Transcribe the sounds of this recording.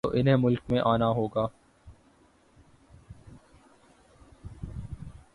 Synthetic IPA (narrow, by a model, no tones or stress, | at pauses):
o̰ʔɪnɦẽmʊlkmẽʔaːnaɦoːɡaː